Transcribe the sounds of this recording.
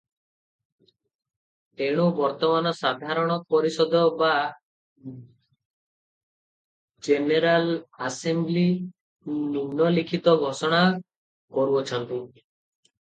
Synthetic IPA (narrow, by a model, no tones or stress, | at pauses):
eɽ̃ubɔɾt̪ɔmanɔsad̪ʱaɾɔɽ̃ɔpɔɾisɔd̪ɔba | d͡ʒeneɾalasembli | nunɔlikʰit̪ɔɡʱɔsɔɽ̃a | kɔɾuɔt͡ʃʰɔnt̪i